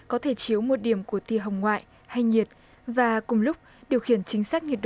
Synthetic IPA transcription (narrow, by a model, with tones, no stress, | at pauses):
kɔ˨˦t̪ʰe˧˩t͡ɕi˨˦əwmo˨˩t̚ɗi˧˩əmku˧˩ət̪ḭ˧˨ɦə˨wŋ͡mŋwa̰ː˧˨jʔ | ha˧jɲi˨˩ət̚ | vaː˨˩kʊ˨˩ŋ͡mlʊ˦˥k͡p̚ | ɗi˨˩əwxi˧˩ənt͡ɕï˨˦ŋ̟saː˦˥k̚ɲi˨˩t̚ɗ